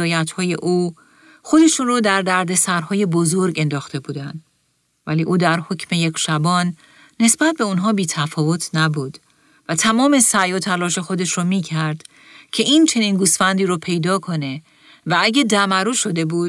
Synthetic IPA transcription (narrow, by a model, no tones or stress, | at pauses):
ɒːjæt̪hɒːje̞ʔuː | xo̞d̪e̞ʃuːnrod̪æɾd̪æɾd̪e̞sæɾhɒːje̞bozoɾɡe̞nd̪ɒːxt̪ʰe̞buːd̪ænd̪ | væliːʔuːd̪æɾho̞cʰme̞je̞cʰʃæbɒːnː | e̞sbæt̪̚be̞unɦɒːbiːt̪ʰæfɒːvo̞t̪ʰnæbuːd̪̥ | væt̪ʰæmɒːme̞sæjɒːt̪ʰælɒːʃe̞xo̞d̪e̞ʃɾɔmiːcʰæɾd̪̥ | cʰe̞iːnt͡ʃʰe̞niːnɡuːsfænd̪iːɾɔːpʰe̞jd̪ɒːkʰo̞ne̞ | vææɟed̪æmæɾuːʃo̞d̪e̞buːd̪